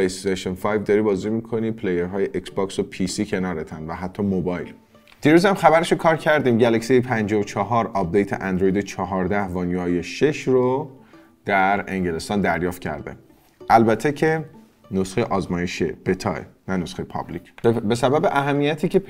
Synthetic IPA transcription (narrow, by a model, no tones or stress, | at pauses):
lejst̪eʃonfɒjvd̪ɒːɾiːbɒːzimiːkʰo̞nipʰlejeɾɦɒːjeʔeksbɒːksopʰisiːcʰe̞nɒːɾet̪ʰænvæɦæt̪ʰːɒmobɒːjl | d̪̥iːɾuːzæmxæβæɾeʃokʰɒːɾcʰæɾd̪iːmɟælæcsijepʰænd͡ʒɒot͡ʃʰɒɦɒːɾɒp̚d̪ejt̪ʰḛʔænd̪ɾojd̪et͡ʃʰɒɦɒːɾd̪æhvɒːnjuɒːjeʃeʃro | d̪̥æɾe̞̰ŋɟele̞st̪ɒːnd̪æɾjɒːft̪̚cʰæ̰ɾd̪ḛ | ʔælbæt̪ʰːecʰe | nosxeʔɒːzmɒːjeʃḛb̥et̪ʰɒːḛnænosχejepʰɒ̰blicʰbe̞sæbæbe̞ʔæɦæmːijæt̪ʰiːce̞